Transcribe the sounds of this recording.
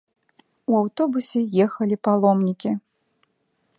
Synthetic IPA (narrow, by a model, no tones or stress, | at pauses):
uawt̪ɔbusʲɛjɛxɐlʲipalˠɔmnʲikʲi